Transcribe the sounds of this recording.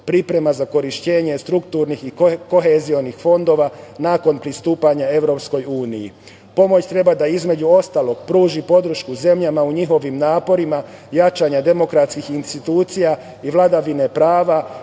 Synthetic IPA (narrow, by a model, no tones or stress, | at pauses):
pɾipɾe̞mazako̞ɾiʃt͡ɕe̞ːɲe̞st̪ɾukt̪uːɾnixiko̞ɦezio̞nixfo̞nd̪o̞ːʋanaːko̞npɾist̪uːpaɲae̞ʋɾo̞ːpsko̞juːnijḭ | po̞mo̞t͡ɕt̪ɾe̞bad̪aizme̞d͡ʑuo̞st̪aːlˠo̞ɡ̥pɾuːʒipo̞d̪ɾ̩ʃkuze̞mʎamauɲixo̞ʋimnaːpo̞ɾima | jat͡ʃaɲad̪e̞mo̞kɾat̪skixinst̪it̪uːt̪sija | iʋlˠad̪aʋine̞pɾaːʋa